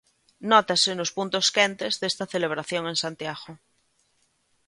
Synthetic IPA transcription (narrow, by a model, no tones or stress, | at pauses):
not̪asenospunt̪oskent̪ezðest̪aθeleβ̞ɾaθjõŋẽ̞nsant̪jaɣo